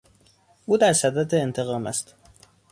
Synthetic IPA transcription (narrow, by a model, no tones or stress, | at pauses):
ʔuːd̪æɾsæd̪æd̪eːnt̪ʰe̞ɣɒːmæ̰st̪